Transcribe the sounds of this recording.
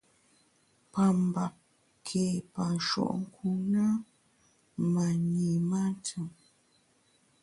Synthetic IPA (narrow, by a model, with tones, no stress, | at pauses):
pa˨m˨ba˨p̚ | kʰe˨pa˨n˨ʃɔ̰˦˨ʔŋ̩˦˨kʰu˦na˦ | ma˨ɲi˨ma˦tɨ˨ŋ